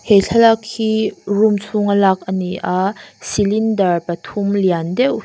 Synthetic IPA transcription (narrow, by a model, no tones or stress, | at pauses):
heɬʰalak̚hirumsʰuŋalak̚ɐniʔasilindɐrpɐtʰumliandɛw